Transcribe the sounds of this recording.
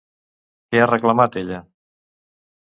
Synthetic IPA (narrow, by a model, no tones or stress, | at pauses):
kearəklamat̪eʎə